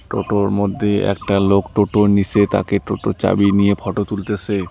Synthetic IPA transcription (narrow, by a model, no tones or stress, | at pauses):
ʈo̰ʈoɾmod̪ʱːeɛ̰k̚ʈalokʈoʈonit͡ɕet̪a̰keʈoʈot͡ɕa̰binijepʰɔʈot̪ult̪et͡ɕʰe